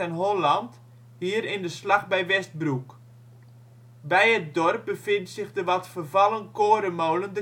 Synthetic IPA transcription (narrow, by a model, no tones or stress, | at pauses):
ɛnɦolɑnt | hiːəɾɪndəslaχbɛjʋɛst̚bruk | bɛjət̚dɔrp̚bəfɪntsɪχdəʋɔtfərvɑlˠənkoəɾəmowləndə